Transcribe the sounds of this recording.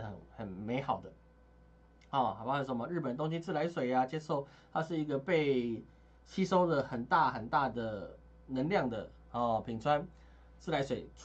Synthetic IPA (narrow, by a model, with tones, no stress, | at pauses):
ə˨˩xə˨˩nme˧˥ɪxɑ˨˩ʊd̪ə˦ | ɔ˥˩xa˨˩pa˥˩˥ə˧˥˩mə˧˦ɻ̩˥˩pə˨˩nt̪̬o˥ŋɕi˧t͡sɹ̩˥˩la˧˦ɪswe˨˩ɪa˨t͡ɕjɛ˥ʂo˥˩ʊt̪ʰa˥ʂɻ̩˥˩i˧˥ɡə˧pe˥˩ɪ | t͡ɕʰi˥ʂo˥ʊd̪ə˨xə˨˩nt̪a˥˩xə˨˩nt̪a˥˩d̪ə˩ | nə˧˦ŋljɑ˥˩ŋd̪ə̰˩ | ɔ˨˩pʰi˨˩ŋt͡sʰwa˥˦n | t͡sɹ̩˥˩la˧˥ɪswe˨˩ɪ